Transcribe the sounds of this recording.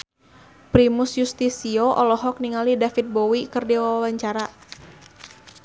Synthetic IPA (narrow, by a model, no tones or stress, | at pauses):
pɾimusjust̪isiɔʔɔlɔɦɔk̚niŋalidafit̪̚bɔwikɨrdiwawawaɲt͡ʃaɾa